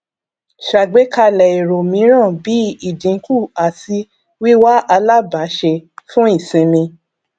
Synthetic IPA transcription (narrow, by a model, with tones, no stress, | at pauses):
ʃa˨ɡ͡be˨˦ka˧lɛ˨i˨ɾo˨mĩ˨˧˦ɾ̃ã˦˨bi˨˦i˦˨d͡ʒĩ˨˦ku˦˨a˨si˧˦ | wi˦wa˦ʔa˧la˦˨ba˨˦ʃe˧fũ˦i˦˨sĩ˧nĩ˧